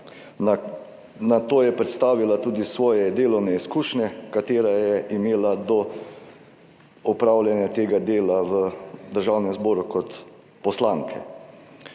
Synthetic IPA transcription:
nat̪oːjɛpɾɛt̪st̪aːʋilat̪uːd̪isʋɔːjɛd̪eːlɔwnɛiskuːʃnʲɛkat̪eːɾajɛʔimeːlad̪ɔ | ɔpɾaːwlʲjɛnjat̪eːɡad̪eːlaʋəd̪əɾʒawnɛmzboːɾukɔt̪ | pɔslaŋkʰɛ̰

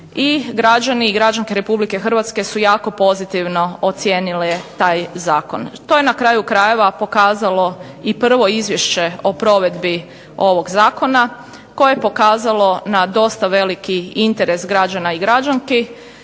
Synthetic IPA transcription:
iɡɾad͡ʒaniːɡɾad͡ʒaŋkeɾe̞publike̞xr̩ʋat̪ske̞sujaːko̞po̞zit̪iʋno̞ot̪sjeːnilet̪aːjzaːko̰nt̪o̞jenakɾaːjukɾaje̞ʋapo̞kaːzalo̞ | ipr̩ʋo̞izʋje̞ʃt͡ɕe̞o̞pɾo̞ʋe̞d̪bi | o̞ʋo̞ɡzaːko̞na | ko̞jejepo̞kaːzalo̞nad̪o̞st̪aʋe̞likiint̪e̞ɾe̞sɡɾad͡ʒanaiɡɾad͡ʒaŋki

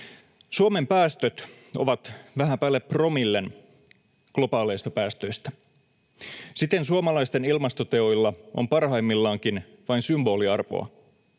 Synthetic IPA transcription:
suome̞mpæːst̪øt̪ | o̞̰ʋɑt̪ʋæɦæmpæːlːepːro̞milːe̞n | klo̞pɑːlejst̪ɑpæːst̪ø̞jst̪æ | sit̪ensuomɑlɑjst̪e̞nilmɑst̪o̞t̪e̞ojlːɑʔo̰mpɑrɦɑimːilːɑːŋkin | ʋɑinsymbo̞ːliɑrʋo̞̰ɑ̰

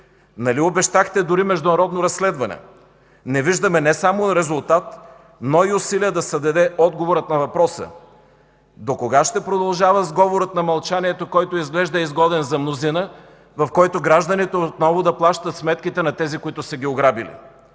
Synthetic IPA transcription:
nɐliobɛʃt̪axt̪ɛd̪ʊɾimɛʒd̪ʊnɐɾɔd̪noɾɐsːlɛd̪vɐnɛ̰ | nɛviʒd̪ɐmɛnɛsamoɾɛzʊlˠt̪at̪ | noiʊsiliəd̪ɐsɐd̪ɐd̪ɛʔɔd̪ɡovoɾət̪nɐvɐpɾɔsə̰ | d̪okoɡaʃt̪ɛpɾod̪ɐlˠʒavəzɡɔvoɾət̪nɐmɐlˠt͡ʃaniɛt̪okɔjt̪oizɡlɛʒd̪ɐɛizɡɔd̪ɛnzɐmnozinə | vɐfkɔjt̪oɡɾaʒd̪ənit̪oot̪nɔvod̪ɐplˠaʃt̪ət̪smɛt̪kʲit̪ɛnɐt̪ɛzikoit̪ʊsɛɡʲioɡɾabilḭ

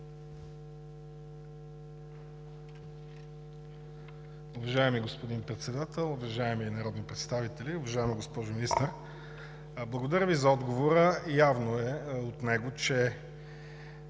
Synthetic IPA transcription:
ʊvɐʒaɛmiɡospod̪inpɾɛt̪sɛd̪at̪ɛlˠʊvɐʒaɛmiːnɐɾɔd̪nipɾɛt̪st̪avit̪ɛliʊvɐʒaɛmiɡospɔʒʊminist̪əɾ | blˠɐɡod̪ɐɾʲəvizɐɔd̪ɡovoɾəjavnoɛot̪nɛɡot͡ʃɛ

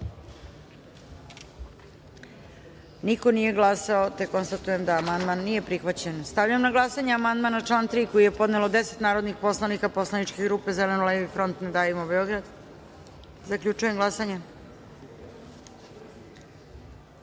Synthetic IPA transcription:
niko̞nije̞ɡlˠasaot̪ekːo̞nst̪at̪uje̞md̪aːmand̪manːije̞pɾixʋat͡ɕenst̪aʋʎaemnaɡlˠasaɲeamand̪manat͡ʂlˠaːnt̪ɾiːkoije̞po̞d̪ne̞lo̞d̪e̞set̪naːɾod̪nixpo̞slˠanikapo̞slanit͡ʃkeɡɾuːpe̞zelenulevifɾo̞nt̪ned̪aːjimobeo̞ɡɾad̪ | zakʎʲut͡ʂujemɡlasaɲe

